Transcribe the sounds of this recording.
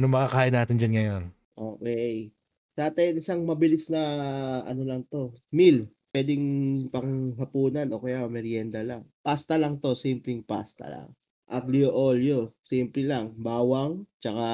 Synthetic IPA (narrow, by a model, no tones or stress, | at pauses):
nomɐkakaːʔɪnaːt̪ɪnd͡ʒanŋɐjon | ʔoːkɛj | d̪aːt̪ɐjnɪsaŋmɐbɪlɪsnɐʔɐ̰no̞lɐŋt̪o̞milpwɛd̪ɪŋpɐŋɦɐpuːnɐnʔo̞ːkɐjaɐmɛɾjɛnd̪ɐlaŋpast̪ɐlɐŋt̪o̞simplɛŋpa̰st̪ɐ̰la̰ŋ | ʔɐt̪̚lioʔoljosimplɛlaŋbaːwɐŋt͡ʃɐka